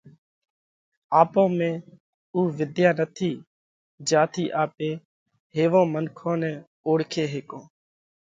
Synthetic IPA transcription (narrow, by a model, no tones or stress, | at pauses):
aːpõːmẽː | uːʋɪd̪jaːnət̪ʰiː | d͡ʒaːt̪ʰiːʔaːpeː | ɦeːʋõːmənkʰõːnɛ̃ː | oːɽkʰeːɦeːkõː